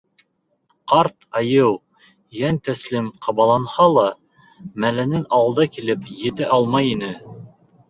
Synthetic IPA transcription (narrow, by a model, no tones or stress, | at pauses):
qɑɾt̪ɑjɤw | jænt̪æslimqʰɑβɑlˠɑnhɑlˠɑ | mælænɘnɑwllˠd̪ɑkilɘpjɘ̆t̪ɘʔɑlˠmɑjinɘ